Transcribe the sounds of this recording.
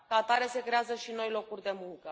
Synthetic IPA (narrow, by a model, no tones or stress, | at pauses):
kat̪aɾese̞kɾe̞azəʃino̞jlo̞kurʲd̪e̞muŋkə